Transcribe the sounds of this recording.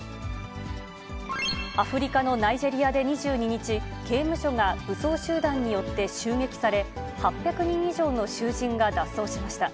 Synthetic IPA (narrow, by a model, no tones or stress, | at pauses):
aɸɯ̟ɾʲikano̞naid͡ʑe̞ɾʲijad̪e̞ɲ̟iʑɨːɲ̟iɲ̟it͡ɕi | ɡe̞ːmɯ̟ɕo̞ŋabɯ̟so̞ːɕɨːd̪ãɲ̟ːijo̞t̪ːe̞ɕɨːŋe̞kʲi̥saɾe̞ | hapʲːjakɯ̟ɲ̟ĩɰ̃iʑo̞ːno̞ɕɨːʑĩŋɡad̪asːo̞ːɕimaɕi̥t̪a